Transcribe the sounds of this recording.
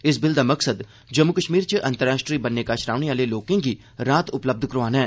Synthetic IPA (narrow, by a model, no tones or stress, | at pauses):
ɪsbɪld̪aːməksəd̪ | d͡ʒəmukəʃmiːɾt͡ʃəʔə̃nt̪əɾaːʃʈɾiːbənːeːkaʃɾaːʋneaːleloːkẽːɡiː | ɾaːt̪ʊpləb̚d̪ʱkəɾʋaːnɦɛː